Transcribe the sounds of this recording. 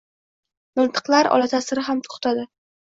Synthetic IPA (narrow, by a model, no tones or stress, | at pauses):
mɪnt̪ʰɨ̥qlˠaɾɒ̰lat̪ʰasɪɾɪɦamt̪ʰʊ̥χt̪ʰad̪ɪ